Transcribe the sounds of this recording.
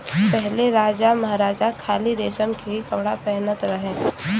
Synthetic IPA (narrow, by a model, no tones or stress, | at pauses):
pɛɦleɾaːd͡ʒamɐɦaɾaːd͡ʒakʰaːliɾeːʃəmkeikɐpɽapɛɦnət̪ɾɐɦẽː